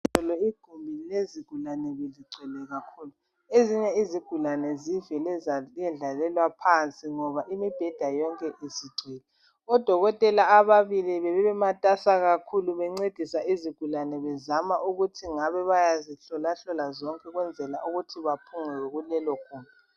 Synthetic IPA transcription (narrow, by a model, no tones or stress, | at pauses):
ɔlɔiɡ̥ʱumbʱileziɡ̥ʱulanɛβeliǀʱɛlɛɣakʰulu | eziɲɛiziɡ̥ʱulanɛzivɛlɛɛnd͡ɮʱalɛlwapʰant͡sʼiŋɔβaʔimib̥ʱɛd̥ʱajɔŋkʼɛʔisiɡ͡ǀʱɛːlɛ | ɔd̥ʱɔɣɔtʼɛlaːβaβiliβɛβɛβɛmatʼasaɣakʰuluβɛŋ͡ǀed̥ʱisaiziɡ̥ʱulanɛβɛzamaʔuɣutʰiŋaβɛβajaziɬɔlaɬɔlazɔŋkʼɛɣwɛnd͡zʱɛlaʔuɣutʰiβapʰuŋɛɣulɛlɔɡ̥ʱuːmbʱii